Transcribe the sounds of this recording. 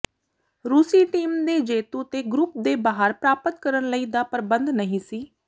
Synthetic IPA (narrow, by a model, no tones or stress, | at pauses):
ɾuːsiːʈiːmd̪eːd͡ʒeːt̪uːt̪eːɡɾʊp̚d̪eːbaːɦəɾpɾaːpət̪kəɾənləiːd̪aːpəɾbənd̪nəɦĩːsiː